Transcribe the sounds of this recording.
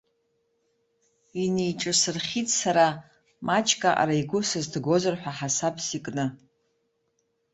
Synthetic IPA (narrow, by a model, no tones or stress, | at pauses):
inejʈ͡ʂʼɨsɨrχʲitʼsaɾa | mʔat͡ʃʰʼkʼaʔa̰ɾaiɡʷʊsɨzdʰɡʷo̞zɨrħʷᶣaħasapʰsikʼnɨ